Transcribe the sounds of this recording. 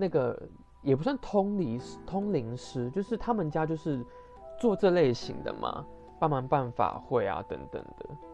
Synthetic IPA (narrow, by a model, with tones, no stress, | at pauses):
na˥˩ɡə˩ | jɛ˨˩pu˧˥s̬wa˥˩nt̪ʰʊ˥ŋli˧˥ʂt̪ʰʊ˥ŋli˧˦ŋʂɻ̩˥t͡ɕjo˥˧ʊʂɻ̩˥˩t̪ʰa˥mə˨nt͡ɕja˦t͡ɕjo˥˧ʊʂɻ̩˥˧ | t͡swɔ˥˧ʈ͡ʂɤ˥˧le˥˩ɪɕḭ˧˥˦ŋd̪ə̰˧mʔa̰˩ | pa˥˩nma˧˥npa˥˩nfa̰˨˩xwe˥˩ɪa̰˨t̪ə̰˧˦˥ŋt̪ə̰˨˩ŋd̪̥ə˦